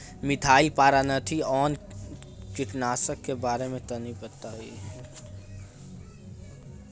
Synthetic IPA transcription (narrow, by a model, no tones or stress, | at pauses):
mɪʈ̪ʰaːilpaːɾanət̪ʰiɔːn | t͡ʃɪʈnaːsəkːebaːɾemẽt̪ɐnipət̪aɦḭ